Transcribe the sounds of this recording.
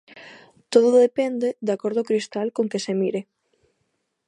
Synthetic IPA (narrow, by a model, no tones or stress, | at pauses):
t̪oðʊððepɛnd̪ed̪akoɾðʊokɾist̪alkoŋkesemiɾe